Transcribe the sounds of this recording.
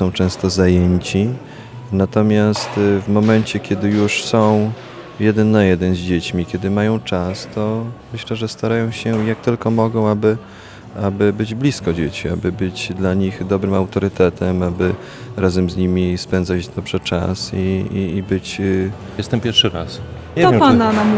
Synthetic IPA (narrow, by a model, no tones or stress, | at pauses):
sɔ̃w̃t͡ʂɛ̃w̃st̪ɔzajeɲt͡ɕi | nat̪ɔmʲjast̪vmɔmɛnt͡ɕɛkʲɛd̪ɘjuʂsɔ̃w̃ | jɛd̪ɛnːajɛd̪ɛnzd͡ʑet͡ɕmʲikʲɛd̪ɘmajɔ̃w̃t͡ʂast̪ɔmɘɕlɛʐɛst̪aɾajɔ̃w̃ɕɛjak̚t̪ɘlkɔmɔɡɔ̃w̃abɘ | abɘbɘd͡ʑblʲiskɔd͡ʑet͡ɕia̰bɘbɘt͡ɕd̪laɲixd̪ɔbɾɘmawt̪ɔɾɘt̪ɛt̪ʰɛmabɘ | ɾazɛmzɲimʲispɛnd̪zad͡ʑd̪ɔbʐɛt͡ʂa̰siːbɘt͡ɕ | jɛst̪ɛmpʲjɛɾfʂɘɾas | panam